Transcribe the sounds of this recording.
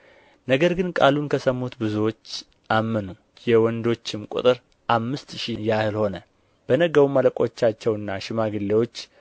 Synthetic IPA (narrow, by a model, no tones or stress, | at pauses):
nəɡəɾɡɨnkʼalunkʰəsəmːut̪bɨzuwo̞t͡ʃː | ʔamːənu | jɛwɔnd̪o̞t͡ʃːɪmkʼṵt̪ʼɨɾ | ʔamːɨst̪ʃijahɨlho̞nə | b̥ənəɡəwumːaləkʼo̞t͡ʃːat͡ʃːɛwɨnːaʃɪmaɡɨlːewo̞t͡ʃː